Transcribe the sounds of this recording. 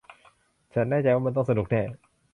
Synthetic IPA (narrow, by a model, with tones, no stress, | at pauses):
t͡ɕʰa˦˥nːaː˥˩t͡ɕa˧jwaː˥˩m˧nt̪ɔ˥˩ŋsa˧nu˨˩k̚nɛː˥˩